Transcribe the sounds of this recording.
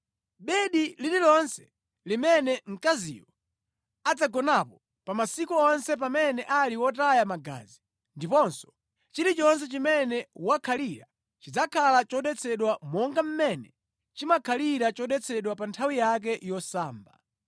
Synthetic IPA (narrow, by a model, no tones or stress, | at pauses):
ɓɛɗilililɔnsɛ̥ | limɛnɛŋ̩kazḭjɔ | ad͡zaɡɔnapɔ | pamasikuɔnsɛp̬amɛnɛʔaliwɔtajamaɡa̰ːzi | ndipɔnsɔ̥ | t͡ʃiɾit͡ʃɔns̬ɛt͡ʃimɛnɛwakʰaliɾa | t͡ʃid͡zakʰalat͡ʃɔɗɛt͡sʰɛɗwamɔŋɡam̩mɛnɛ | t͡ʃimakʰaliɾat͡ʃɔɗɛt͡sʰɛɗwapantʰawijak̬ɛjɔsaːmba̰